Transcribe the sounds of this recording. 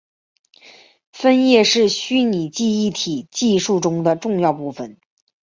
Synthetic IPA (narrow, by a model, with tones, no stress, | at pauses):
fə˥njɛ˥˧ʂɻ̩˥˩ɕy˥ni˨˩t͡ɕi˥˧i˥˩t̪ʰi˨˩t͡ɕi˥˧ʂu˥˩ʈ͡ʂʊ˥ŋd̪ə˨ʈ͡ʂʊ˥˧ŋjɑ˥˧ʊpu˥˩fə˨˩n